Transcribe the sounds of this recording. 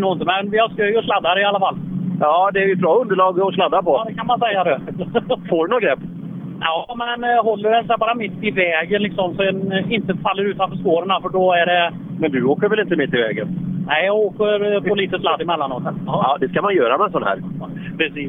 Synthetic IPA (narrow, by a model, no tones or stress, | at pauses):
nuːɪnt̪əmɛnvɪhaʂkœjɔʂlad̪ːaɾɪalːafalːjɑːd̪ɛæɾjɵt̪̚bɾɑːɵnd̪əɭɑːɡɔslad̪ːapɔd̪ɛkʰanmansɛjːad̪ɛ | foɖɵnɔɡɾɛpː | jɑːmɛnɦɔlːəɾɛnsɛbɑːɾamɪt̪ːɪvɛːɡənlɪksɔmsɔɛnɪnt̪əfalːəɾʉ̟ːt̪anfœʂkoːɾəɳafœɖɔæɖɛ | mɛnd̪ʉoːkəɾvɛlɪnt̪əmɪt̪ːɪvɛ̰ːɡə̰nnɛɪjɑɡoːkəɾpɔliːt̪əslad̪ːɪmɛlːanot̪ːənːd̪ɛskamanjœːɾamɛsɔnhæ̰ːɾ | pʰɾɛsiː